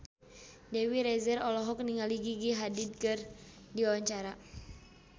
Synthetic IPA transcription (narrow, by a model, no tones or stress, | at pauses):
dɛwiɾɛzɛɾɔlɔɦɔk̚niŋaliɡiɡiɦadid̪̚kɨr | diawaɲt͡ʃaɾa